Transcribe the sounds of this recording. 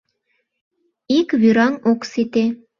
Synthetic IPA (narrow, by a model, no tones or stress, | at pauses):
ikβyɾɑŋoksit̪e